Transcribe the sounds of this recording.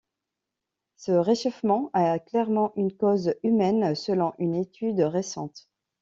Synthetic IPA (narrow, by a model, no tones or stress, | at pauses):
səʁeʃɔfmɑ̃aklɛʁmɑ̃ʔynkozymɛnsəlɔ̃ʔynet̪ʰyd̪ʁesɑ̰̃t̪